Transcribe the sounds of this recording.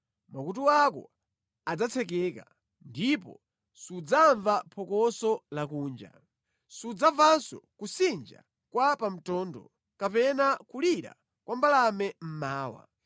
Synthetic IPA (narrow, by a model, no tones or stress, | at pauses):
makut̬uwakɔ̰ | ad͡zat͡sʰɛk̬ɛka | ndipɔ̰ | sud͡zaɱvapʰɔkɔsɔlakuːnd͡ʒa̰ | sud͡zavansɔ̰kusind͡ʒa̰ | kwapam̩tɔːndɔ | kapɛnakuliɾa̰ | kwambalamɛm̩maːwa̰